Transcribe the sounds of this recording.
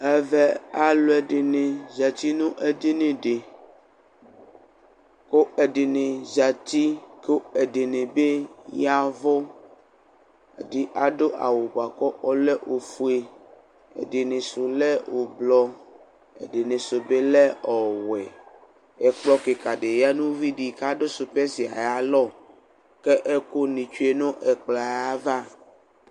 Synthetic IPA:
ɛ˦vɛ˦a˦lo˦ɛ˨ɖe˨nẽ˨zɛ˨t̪i˦nũ˦ʔe˦de˦nẽ˨ɖe˨ | ko˦e˨ɖe˨nẽ˨za˨t̪i˦ko˦e˨ɖe˨nẽ˨be˦ja˦vɔ˦ | ḛ˨di˦ʔa˨ɖo˦ʔa̰˨wo˨ba˨kɔ˦ʔɔ˦lɛ˦ʔo˨fu˦e˦ | ḛ˨ɖe˨nẽ˨so˨lɛ˦wo˨blɔ˦ | ḛ˨ɖe˨nẽ˨so˨be˦lɛ˦ɔ˨wɛ˨ | ɛ˨k͡plɔ˦ke˨ka˨ɖe˨ja˦nũ˦vi˦ɖi˨ka˦ɖo˦so˨pɛ˦si˨a̰˨ja˨lɔ˦ | kɛ˦ʔɛ˦ko˦nĩ˨t͡ʃu˦e˦nõ˦ʔɛ˨k͡pla˨ja˦va˦

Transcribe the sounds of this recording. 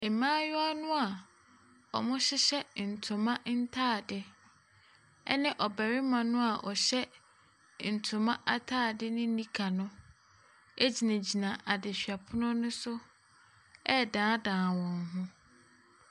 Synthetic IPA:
e˨mãː˦jʊ˦a˦nʊ̃˦a˨ | ɔ˨mʊ̃˦ɕɪ˦ɕɛ˦n̩˨tʰʊ̃˨mã˦n̩˦tʰaː˦˨dɪ˦ | ɛ̰˦nɪ̃˦ʔɔ˨bæ˨ɾɪ˦mã˨nʊ̃˦a˨ʔɔ˨ɕɛ˦ | n̩˨tʰʊ̃˨mã˦ʔa˦tʰaː˦˨dɪ˦nɪ̃˦nĩ˦kʰa˨nʊ̃˦ | æ˦d͡ʑi˨nã˨d͡ʑi˨nã˨ʔa˨dɪ˨ɕᶣɥa˨pʰʊ˦nʊ̃˦nʊ̃˦sʊ˦ | ɛ˦˨dãː˨˦dãː˨wɔ̃˨ŋ˦ɦʊ̃˦

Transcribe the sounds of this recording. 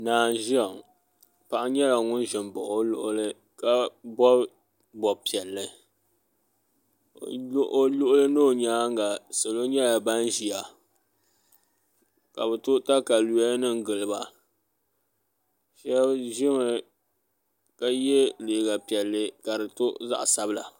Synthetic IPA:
naː˨n˨˦ʒi˦a˨ŋ | pa˨ʔa˦ɲɛ˦ja˨ŋʊ˦n˦ʒɪ˨mbɔ̰˨ʔo˦lʊ˦ʔʊ˦lɨ˦ | ka˦bɔ˦ | bɔ˨pi˨ɛ˨lːɨ˨˦ | ʔo˦lʊ˦ʔʊ˦lɨ˦nɨ˦o˨ɲaː˦ŋɡa˨so˨lo˦ɲɛ˦ja˨ba˦n˦ʒi˨a˨ | ka˨bɛ˨tʊ˦ta˦ka˨lu˨a˦nɨ˦ŋ˦ɡɨ˨lɨ˨ba˨ | ʃɛ˦bʒɪ˦mɨ˨ | ka˦jɛ˦le˨ɡa˨pi˨ɛ˨lːɨ˦ka˨ɾɨ˨to˦za̰˦ʔsa˦bɨ˦la̰˨

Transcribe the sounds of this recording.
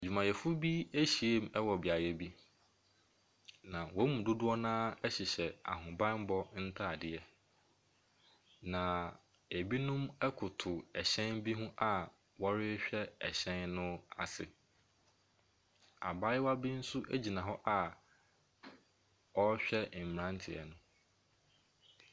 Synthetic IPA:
d͡ʑᶣu˨mã˨jɛ˨fʊ˦bi˦e˦ɕi˨e˦m˦ɛ˦wɔ˨bɪ˨a˨jɛ˦bi˦ | nã˨wɔ˦mũ˨dʊ˦dʊ˦ɔ˦nãː˦ɛ˦ɕɪ˨ɕɛ˨a̰˨ɦʊ̃˨bã˦n˦bɔ˦n̩˦tʰa˦˨dɪ˨ɛ˦ | nã˨ | e˨bi˦nʊ̃˦mɛ˦kʰʊ˨tʰʊ˨ɛ˨ɕɛ̃˦nbi˦ɦũ˦ʔa˨ | wɔ˦ɾɪ˦ɕᶣɛ˦ɛ˨ɕɛ̃˦nnʊ̃˦a̰˨sɪ˨ | a̰˨ba˦jɪ˦wa˦bi˦n̩˦su˦ʔæ˦d͡ʑi˨nã˨ɦɔ˦ʔa˨ | ɔ˦ɕᶣɛ˦˨m̩˨ɾã˦n˦tʰɪ˨ɛ̰˨nʊ̃˦

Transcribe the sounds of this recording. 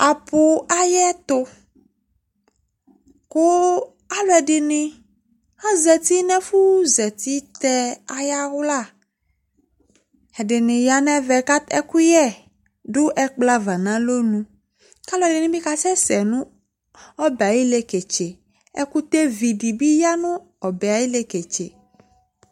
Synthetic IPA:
a˨pʊ˨a˦jɛ˦t̪ʊ˦ | kʊ˦ | a˦lɔ˨ɛ˨ɖɪ˨nɪ̃˨ | hã˦zɛ˨t̪i˦nɛ̃˦fu˦zɛ˨t̪i˦t̪ɛ˦a˨ja˦ɣʊ˦la˦˨ | ɛ˨dɪ˨nɪ̃˨ja˨nɛ̃˦vɛ˨ka˦t̪ɛ˦ku˦jɛ˦ | dʊ˦ʔɛ˦k͡pla˦va˨nã˦lo˦nũ˦ | ka˦lɔ˦˨ɛ˨dɪ˨nɪ̃˦bi˦ka˦sɛ˦sɛ˨nũ˦ | ɔ˦bɛ˨a˨ji˦le˦ke˨t͡ʃe˨ | ɛ̰˦ku˦t̪e˦vi˨di˨bi˦ja˦nʊ̃˦ | ɔ˨bɛ˨a˨ji˦le˨ke˨t͡ʃe˨

